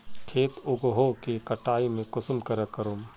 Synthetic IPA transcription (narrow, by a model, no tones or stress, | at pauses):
kʰeːt̪ʊɡoɦokekɐʈaːimẽkʊsʊmkəɾəkəɾoːm